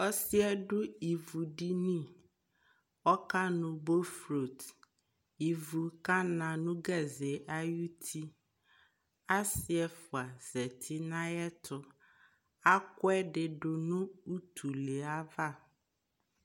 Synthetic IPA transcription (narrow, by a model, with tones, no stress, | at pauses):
ɔ˦sɪ˦ɛ˦ɖʊ˦i˨vu˨ɖi˦nĩ˦˨ | ɔ˦ka˦nʊ̃˨bo˦fɾo˨t | i˨vu˨ka˦nã˨nʊ̃˦ɡɛ˦zɛ˨ʔa˦ju˦t̪ʰi˦ | a˦sɪ˦ɛ˨fʊ˨a˨z̥ɛ˨t̪ʰi˦nã˦jɛ˦t̪ʰʊ˨ | a˦kʊ˦ɛ˦ɖɪ˨ɖʊ˨nʊ̃˦u˦t̪ʰu˨le˨a˦va˦˨